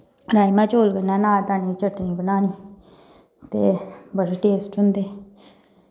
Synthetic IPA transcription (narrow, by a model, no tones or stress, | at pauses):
ɾaːimɛ̃ːt͡ʃoːlkənɛ̃ːnaːt̪aːnĩːt͡ʃəʈnĩːbənaːniː | t̪ḛːbəɾʈeːsʈɦʊnd̪eː